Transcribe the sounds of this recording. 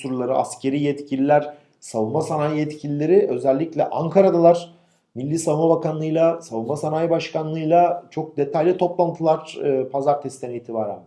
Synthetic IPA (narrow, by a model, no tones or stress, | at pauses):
suɾulˠaɾɯa̰scʰe̞ɾiːjɛt̪cʰilʲilʲæɾ̥ | savunmasanaːjjɛt̪cʰilʲilʲe̞ɾiø̞zɛlʲːiclʲɛ̰ʔaŋkʰaɾad̪alˠaɾ̥ | milʲːiːsavulmabakʰanlˠɯjlˠasavunmasanaːjbaʃkanlˠɯjlˠat͡ʃʰo̞k̚d̪e̞t̪ʰajlʲit̪ʰo̞plˠant̪ʰɯlˠaɾ̥ɯːpʰazaɾt̪ʰɛst̪ɛniːt̪ʰibaːɾæ̰n